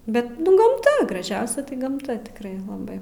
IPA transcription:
ˈbʲɛt ɡɐmˈtɐ ɡrɐˈʒʲɛʊsʲɛ tɐɪ ɡɐmˈtɐ tʲɪkˈrɐɪ lˠɐˈbɐɪ

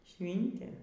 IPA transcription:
ˈʃʲʋʲɪnʲtʲeː

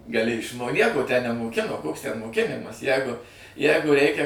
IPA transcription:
ɡɐˈlʲɪ ɪʃˈmoː ˈnʲiɛkoː tʲæː nʲɛmoːˈkʲɪnoː koːks tʲɛn moːˈkʲɪnʲɪmɐs ˈjæːɡʊ ˈjæːɡʊ ˈrʲɛɪkʲɛ

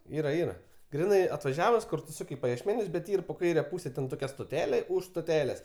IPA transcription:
ˈiːrɐ ˈiːrɐ ˈɡrʲɪnɐɪ ɐtʋɐˈʒʲæːʋʊs ˈkʊr tʊ ˈsʊkʲ iː pɐjiɛʃʲˈmʲæːnʲʊs bʲɛt ˈiːr poː ˈkɐɪrʲɛ ˈpuːsʲɛ ˈtʲɛn toːˈkʲɛ stoːˈtʲæːlʲeː ʊʃ stoːˈtʲæːlʲeːs

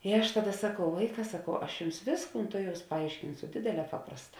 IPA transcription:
ɪ ˈɐʃ ˈtɑːˌdɐ sɐˈkɐʊ ˈʋɐɪˌkɑː sɐˈkɐʊ ˈɐʃ ˈjʊms ˈʋʲeːsˌkuːn ˈtʊˌjɛʊs pɐˈɐɪʃʲkʲɪnsʊ ˈdʲeːdʲeːˌlʲɛː ˈpɑːprɐsˌtɑː

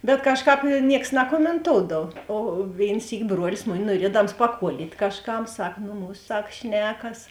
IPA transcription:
bʲɛt ˈkɑːʃˌkɑːp ˈnʲiɛks nɐkoːmʲɛnˈtoːʊdɐw oː ˈʋʲeːɪn ˈsʲiːkʲɪ ˈbruɔlʲɪs ˈmʊˌnʲɪ nuɔˈrʲiɛdɐms pɐˈkuɔlʲiːtʲ kɐʃˈkɐm ˈsɐk ˈnʊ ˈmuːs ˈsɐk ˈʃʲnʲæːkɐs

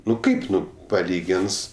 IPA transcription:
ˈnʊ ˈkɐɪp ˈnʊ pɐˈlʲiːɡʲɪns

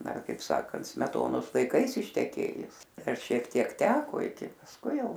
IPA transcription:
ˈdɐr kɐɪp ˈsɑːkɐnt sʲmʲɛˈtoːnoːs lˠɐɪˈkɐɪs ɪʃʲtʲɛˈkʲeːjʊs ˈdɐr ʃʲiɛk ˈtʲiɛk ˈtʲæːkoː ɪkʲɪ pɐsˈkʊɪ ˈjɛʊ

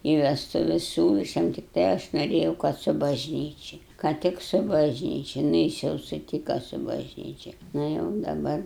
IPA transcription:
ɪ ʋʲɛstʊˈʋʲɛs ˈsʲuːlˠɐ ɐʃ ˈjɛm tʲɪkˈtɐɪ ɐʃ noːˈrʲeːjɛʊ kɐt sʊ bɐʒʲˈnʲiːt͡ʃʲɪ kɐ ˈtʲɪk sʊ bɐʒʲˈnʲiːt͡ʃʲɛ nʊ ˈjɪs jɛʊ sʊˈtʲiːkɐ sʊ bɐʒʲˈnʲiːt͡ʃʲɛ ˈnɐ jɛʊ dɐˈbɐr

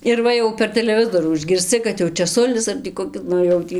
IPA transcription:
ɪr ˈʋɐ jɛʊ pʲɛr tʲɛlʲɛˈʋʲɪzoːruː ɪʒʲɡʲɪrʲsʲˈt͡sʲɪ kɐt jɛʊ t͡ʃʲɛˈsʊlʲɪs ɐr tʲiː koːˈkʲɪ ˈnʊ jɛʊ ˈtʲiː

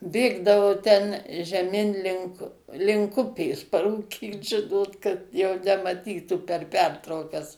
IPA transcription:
ˈbʲeːɡdɐʋoː tʲɛn ʒʲɛˈmʲɪn ˈlʲɪŋk lʲɪŋk ˈʊpʲeːs pɐruːˈkʲiːt ˈʒʲɪnoːt kɐt jɛʊ nʲɛmɐˈtʲiːtuː pʲɛr ˈpʲɛrtrɐʊkɐs

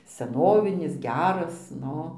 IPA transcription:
sʲɛˈnoːʋʲɪnʲɪs ˈɡʲæːrɐs ˈnʊ

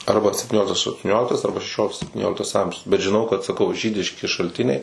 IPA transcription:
ˈɐrbɐ sʲɛpʲtʲɪˈnʲoːlʲɪktɐs ɐʃtʊˈnʲoːlʲɪktɐs ˈɐrbɐ ʃʲɛˈʃʲoːlʲɪktɐs sʲɛpʲtʲɪˈnʲoːlʲɪktɐs ˈɐmʲʒʲʊs bʲɛt ʒʲɪˈnɐʊ kɐt sɐˈkɐʊ ˈʒʲiːdʲɪʃʲkʲɪ ʃɐlʲˈtʲɪnʲɛɪ

